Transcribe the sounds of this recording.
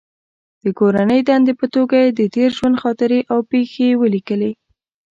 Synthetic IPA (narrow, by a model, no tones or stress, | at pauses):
d̪̥əkoɾanəjd̪ɑnd̪epət̪oɡajed̪ət̪eɾʒwand̪xɑt̪ɪɾeʔawpexewəlikəle